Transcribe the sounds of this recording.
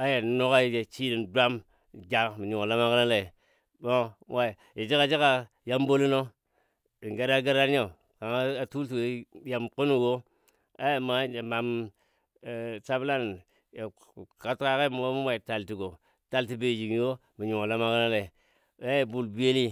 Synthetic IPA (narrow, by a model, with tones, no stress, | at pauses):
a˦je˨n˨˦no˦ka˦˨d͡ʒe˨t͡ʃi˦ɾi˨ndʷa˦m˨ | d͡ʒa˨mi˨ɲu˨ŋo˨la˦ma˦kna˦la˨ | bo˦wa˨ | je˨d͡ʒi˦ka˨d͡ʒi˦ka˨ | ja˦m˦bo˦li˦no˦ | i˨ŋɡe˦ɾa˦ɡa˦ɾa˦a˦˨ | ka˨ŋa˦a˨tu˦lti˨we˨ja˨mku˦nu˦˨ɡo˦ | a̰˦je˨ma˨˦e˨ma˨m˨ | sa˦bla˦n˨ | ka˦tka˦ke˦m˨wo˦mu˦wa˨i˨ta˨lti˨ɡo˨ | ta˨lti˨be˨d͡ʒi˨ŋ˦jo˦ | mi˨ɲu˨ŋo˨la˦ma˦ka˦na˦la˨i˨˦ | a˦je˨bu˨lbu˦e˦li˦